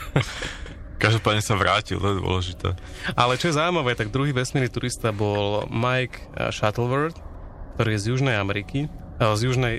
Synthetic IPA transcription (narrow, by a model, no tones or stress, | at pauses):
kaʒd̪ɔpaːd̪ɲɛsaʋɾaːcḭlˠt̪ɔjɛd̪ʊɔ̰lɛʒit̪ɛ̰ː | alɛt͡ʃɔjɛzaːʊwimaʋɛːt̪aɡ̚d̪ɾuɦiːʋɛsmiːɾnit̪uɾist̪abɔlmajk | ʃat̪l̩ʋɛɾt̪ | kt̪ɔɾiːjɛzjuʒnɛjamɛɾiki | zjuʒnɛj